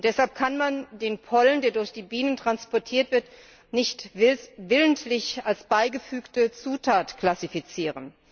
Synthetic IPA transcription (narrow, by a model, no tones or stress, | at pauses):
d̥ɛshalp̚kʰanmandeːnpʰɔləndeːɐdʊɐçd̥iːbiːnəntʁ̥anspɔɐtʰiːɐtv̥ɪɐt | nɪçtvɪləntlɪçalsb̥aɪɡəfyːktət͡suːtʰaːtkl̥asifit͡siːʁən